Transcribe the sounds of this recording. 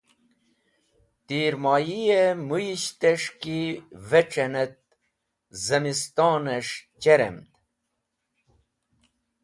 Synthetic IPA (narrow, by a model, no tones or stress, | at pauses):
t̪iːɾmɑjijemujiɕt̪eʂkiveʈ͡ʂenet̪̚ | zɐmist̪ɑːneʂt͡ɕeɾḛmt̪